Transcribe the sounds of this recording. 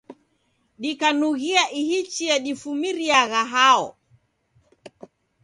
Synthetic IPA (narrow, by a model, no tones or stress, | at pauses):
ɗikanuɣiaʔihit͡ʃiaɗifumiɾiaɣaɦaɔ̰